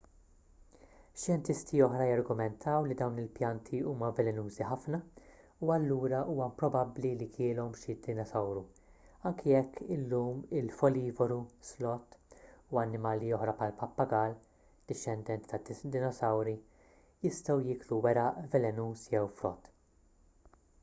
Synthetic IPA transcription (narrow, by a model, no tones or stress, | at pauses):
ʃjɛnt̪ɪst̪iɔħɾɐjɐɾɡʊmɛnt̪ʰɐwlid̪ɐwnɪlpjɐnt̪ʰiuːmɐvɛlɛnuːziħɐfnɐ | uɐlːuːɾɐʔuːmɐmpɾɔbɐblilikʰɪːlɔmʃɪd̪ɪnɔsɐwɾu | ɐŋkʰijɛkʰːɪlːuːmɪlfɔliːvɔɾuslɔt̪ːuɐnːɪmɐːliɔħɾɐpħɐlpɐpːɐɡɐːl | d̪̥ɪʃːɛnd̪ɛnt̪i̥t̪ɐd̪d̪ɪnɔsɐwɾi | jɪst̪ɐwjɪːkluwɛɾɐʔvɛlɛnuːsjɛwfɾɔt̪ː